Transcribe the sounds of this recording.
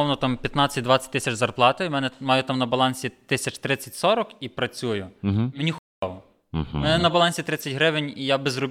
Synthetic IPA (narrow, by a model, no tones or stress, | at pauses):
ɔwnɔt̪ɑmpʲjɐt̪nɑt͡sʲːɐt̚ʲd̪ʋɑt͡sʲɐ̥t̚ʲt̪ɪsʲɐt͡ʃzɐrplˠɑt̪ɪmɛnɛmɑjʊt̪ɑmnɐbɐlˠɑnʲsʲit̪ɪsʲɐt͡ʃt̪ɾɪt͡sʲːɐtʲsɔɾɔkipɾɐt͡sʲujʊmenʲixʊ | lˠɔ | mɛnɛnɐbɐlˠɑnʲsʲit̪ɾɪt͡sʲːɐtʲɦɾɪʋenʲijabezrɔbʲ